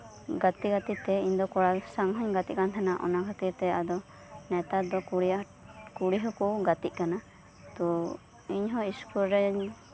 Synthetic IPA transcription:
ɡat̪iɡat̪it̪ɛiɲd̪ɔkɔɽasaŋɦɔɲɡat̪iʔ̚kant̪ʰanaʔɔ̰nakʰat̪it̪ɛad̪ɔ | nɛt̪ad̪ɔkuɽia | kuɽiɦɔkuɡat̪iʔ̚kana | t̪ɔ | iɲɦɔ̃iskuɾɾɛ

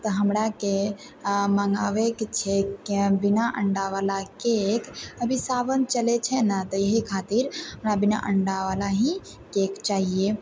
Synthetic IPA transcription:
t̪ɔɦəmɾake | məŋɡaʋekt͡ʃʰɛkbinaʔəɳɖaʋalakekəbʱisabənt͡ʃəlet͡ʃʰɛnət̪ɔjəɦikʰat̪iɾɦəmɾabina̰ʔəɳɖaʋalaɦĩ | kekt͡ʃaɦije

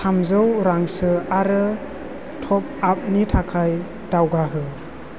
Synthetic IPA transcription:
samzɯwɾaŋsɯaɾɯ | tʰɔp̚ap̚nitʰakʰaj | dawɡaɦɯ

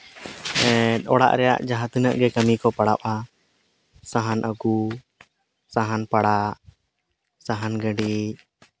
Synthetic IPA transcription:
ɛt̪ˀɔɽa̰ʔɾɛja̰ʔd͡ʒaɦãt̪inəʔɡɛkəmikɔpaɽaʔa | saɦanʔəɡu | saɦanpaɽaʔ | saɦanɡəɖi

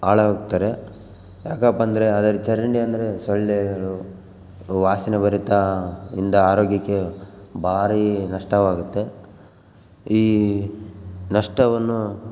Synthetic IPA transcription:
aːɭɐaɡ̚t̪ːaːɾe̞ | jaːkaːpːɐnd̪ɐɾe̞ɐd̪ɐɾut͡ʃɐɾɐɳɖiɐnd̪ɐɾesɔɭːeɡɐɭu | ʋaːsinebɐɾit̪aḭnd̪ɐaːɾoːɡjɐkːe̞bʱaːɾinɐʂʈɐʋaːɡut̪ːe̞ | iː | nɐʂʈɐʋɐnːu

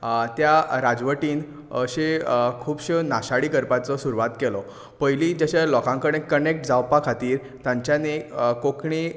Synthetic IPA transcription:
t̪jaɾad͡zʋəʈiːn | əɕekʰuːbɕənaɕaɽiːkəɾpat͡sɔsuɾuʋat̪kɛlɔ | pəjliːd͡ʑaɕalɔkãŋkəɽẽkːənek̚ʈd͡zawpakʰat̪iːɾ | t̪jãɲt͡ɕjanekokɳi

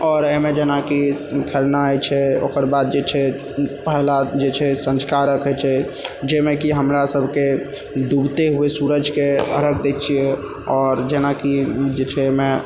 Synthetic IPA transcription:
ɔːɾemẽd͡ʒenakikʰelnaɛjt͡ʃʰɛo̰kəɾbad̪̚d͡ʒet͡ʃʰɛ | pəɦlad͡ʒet͡ʃʰɛsə̃nskaɾəkɦət͡ʃʰɛd͡ʒemekiɦəmɾasəbʱke | ɖubt̪eɦuesuɾəd͡ʒʱkeə̰ɾəkʰd̪et̪t͡ʃʰijɛ | ɔːɾd͡ʒenakid͡ʒet͡ʃʰɛme

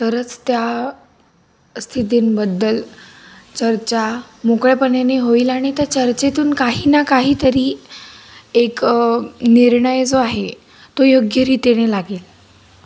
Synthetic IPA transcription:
t̪əɾət͡st̪ja | st̪ʰit̪iːnbəd̪ːəl | t͡ɕəɾt͡ɕa | mokɭjapənjeneɦoiːlaɽ̃it̪əɾt͡ɕəɾt͡ɕet̪uːnkaɦiːnakaɦiːt̪əɾiː | ek | niɾɳəjd͡zoaɦe | t̪ojoɡjəɾit̪eɽ̃elaɡeːl

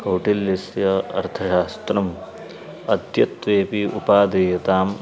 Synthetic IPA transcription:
kɐwʈiljisjɐɐ̰ɾt̪ʰɐʃaːst̪ɾɐm | ɐd̪jɐt̪ʋeːpiʔupaːd̪ejɐt̪aːm

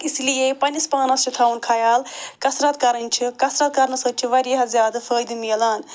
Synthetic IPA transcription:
islijepɐnispaːnɐst͡ʃit̪ʰawunkʰajaːlkɐsɾat̪kɐɾɐnʲt͡ʃʰikɐsɾaːt̪̚kɐɾnɐsɐt͡ʃʰiʋɐɾjeɦɐzʲjaːd̪ɨfʰəːjd̪ɨmiɐlaːn

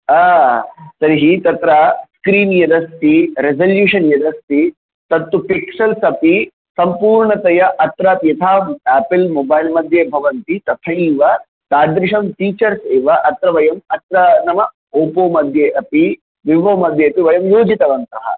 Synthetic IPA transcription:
aːsɐɾiɦit̪ɐt̪ɾɐskɾiːnjɐd̪ɐst̪iɾezɐljuːʂɐnjɐd̪ɐst̪i | t̪ɐt̪ːupiksɐlsɐpi | sɐmpuːɾɳɐt̪ɐjɐʔɐt̪ɾaːt̪jɐt̪ʰaːæːpilmobaːjlmɐd̪ʱjɐbʱɐʋɐnt̪it̪ɐt̪ʰɐiːʋɐ | t̪aːd̪ɾiʂɐmt̪iːt͡ʃɐɾseːʋɐʔɐt̪ɾɐʋɐjɐmɐt̪ɾɐnɐmɐ | oːpoːmɐd̪ʱjeʔɐpi | ʋiʋoːmɐd̪ʱjɐɐpiʋɐjɐmjoːd͡ʒit̪ɐʋɐnt̪ɐɦɐ̰

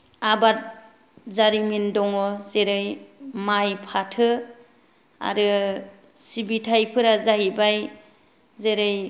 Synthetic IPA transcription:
abat̚ | zaɾimindɔŋɔzeɾɯjmajpʰatʰɯ | a̰ɾɯ | sibitʰajpʰɯɾazaɦibaj | zeɾɯj

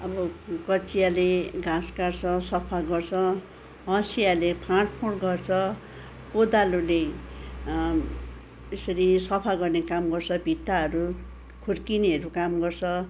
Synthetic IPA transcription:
ʌbʌkʌt͡sijaleɡʱãskart͡sʰʌsʌpʰaɡʌrt͡sʰʌ | ɦʌ̃sijalepʰãɽpʰuɽɡʌrt͡sʰʌ | pod̪alule | esʌɾisʌpʰaɡʌrnekamɡʌrt͡sʰʌbʱit̪ːaʌɾu | kʰurkiniʌɾukamɡʌrt͡sʰʌ

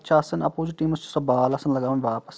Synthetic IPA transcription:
t͡ʃʰɐːsɐnɐpoːd͡ʒuʈiːmɐst͡ʃʰu̥sɐbaːlɐsɐnlɐɡaːʋɐnʋaːpɐ̥s

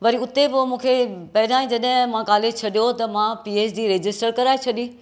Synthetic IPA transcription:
ʋɐɾiʊt̪epomũːkʰepɐɦɪɗ̪aːĩd͡ʑɐɗɦɪ̃mãɡaːlet͡ɕʰɐɗijot̪ɐmãpiːeːsd͡ʑiːɾeːd͡ʑɪsʈəɾkɐɾaːet͡ɕʰɐɗĩː

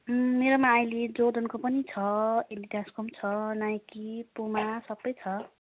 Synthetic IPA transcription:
meɾomaːjled͡zod̪ʌnkopʌnit͡sʰʌendiʈaskomt͡sʰʌnajkipomasʌbːʌjt͡sʰʌ

